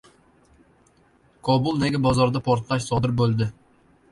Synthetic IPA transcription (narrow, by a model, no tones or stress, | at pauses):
kʰɒbʊlˠneɡʲabɒzɒɾd̪apʰoɾt̪lˠaʃsɒd̪ɪɾbolˠd̪ɪ